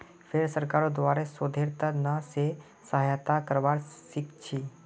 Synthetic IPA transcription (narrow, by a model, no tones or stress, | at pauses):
fʰeɾsəɾkaɾod̪ʋaɾesod̪ʱeɾt̪ənəse | səɦajt̪akəɾʋaɾʃikt͡ʃʰi